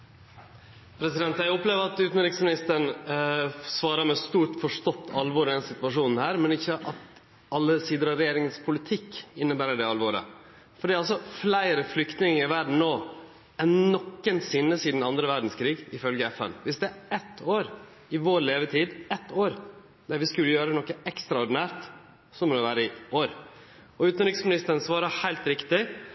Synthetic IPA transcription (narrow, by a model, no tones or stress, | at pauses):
pʰɾɛsɪd̪ɛnt̪jæɪʊpleːʋəɾɑt̪ʉːt̪n̩ɾɪksmɪnɪst̪əɳ | sʋɑːɾɑmɛst̪uːʈfɔʂt̪ɔt̪ʰːɑlʋɔːɾɪd̪ɛnsɪt̪ʋɑʂuːnn̩hæːɾmɛnɪçːəʔʔɑt̪ | ɑlːəsiːd̪əɾɑɾɛjeːɾɪŋənspʰʊlɪt̪ʰɪkːɪnːəbæːɾəɖɛɑlʋɔɾə̰ | fɔɖiːɑls̬ɔflæɪɾəflʏkt̪nɪŋɪʋæɾɖɳ̩noː | ɛnnɔkːənsɪnːəsiːd̪n̩ɑnd̪ɾəʋæɾɖɳ̩skʰɾiːɡɪfœlɡəɛfɛ̰nʋɪsd̪ɛæɛt̪ʰːoːɾ | ɪʋoːɾleːʋət̪ʰiːd̪ɛt̪ːoːɾ | d̪̥ɛɾʋɪskʉlːəjøːɾənɔkːəɛkst̪ɾɑɔɾɖɪnæːɾt̪ | sɔmɔɾɔʋæːɾəɪoːɾ | ɔʉːt̪nɾʏksmɪnɪst̪ənsʋɑːɾɑhæɪlt̪ɾɪkt̪ɪ